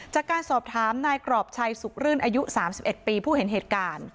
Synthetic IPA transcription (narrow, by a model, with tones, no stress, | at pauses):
t͡ɕaː˨˩kːaː˧nsɔː˨˩p̚t̪ʰaː˩˦mnaː˧jkɾɔː˨˩p̚t͡ɕʰa˧jsu˨˩k̚ɾɯ˥˩nʔaː˧ju˦˥saː˩˦msi˨˩p̚ʔe˨˩t̪̚piː˧pʰuː˥˩he˩˦nɦeː˨˩t̪̚kaː˧n